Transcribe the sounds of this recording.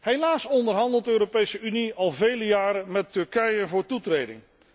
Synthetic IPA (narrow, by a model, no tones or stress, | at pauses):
ɦejlaːsɔndəɹɦɑndəlˠtdəøːɾopejsəyniɑlˠvejləjaːɾəmɛtːɵɹkɛjənvʊːɹtutrejdɪ̰ŋ